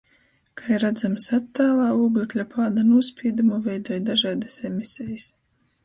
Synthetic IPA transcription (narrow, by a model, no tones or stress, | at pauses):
kʰajɾːad̪zamsat̪ːaːlˠaːuːɡlʲiklʲapʰaːd̪anuɔspʲiːd̪umuvʲɛjd̪ɔːjd̪aʒaːd̪asemʲisɛjis